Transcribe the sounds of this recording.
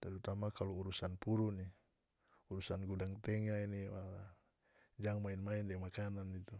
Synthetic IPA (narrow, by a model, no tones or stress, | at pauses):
t̪aɾut̪amakaluuɾusanpuɾuni | uɾusanɡudaŋt̪ɛŋainiwala | d͡ʒaŋmainmaindɛmakananit̪u